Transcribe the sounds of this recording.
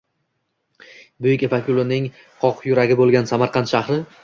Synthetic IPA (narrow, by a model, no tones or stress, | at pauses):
bʊjɪkʲevakʲʰʊlˠʊnɪŋ | qʰɒqʰjʊɾaɡʲɪbolˠɡʲansamaɾqʰɑnt̪ʃahɾɪ